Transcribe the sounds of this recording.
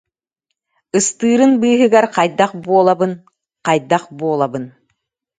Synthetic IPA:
ɯst̪ɯːɾɯnbɯːɦɯɡaɾqajd̪aχbuɔlˠabɯn | qɑjd̪aχbuɔlˠabɯn

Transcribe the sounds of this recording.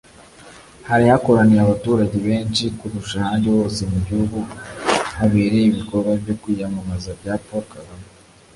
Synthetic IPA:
haɾihako̞ɾaniɾaβatuːɾaɟeβe̞ːnʃikuɾuʃahaːndewo̞ːse̞mubɟihuɡu | haβeːɾeiβiko̞ɾɡwabɟo̞kwiːjamamazabɟaːpokaɡa

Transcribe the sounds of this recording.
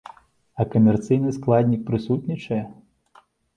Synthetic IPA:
ɐkɐmʲɛrt̪sɨjnɨsklˠad̪ʲnʲik̚pɾɨsut̪ʲnʲit͡ʂɐjɛ

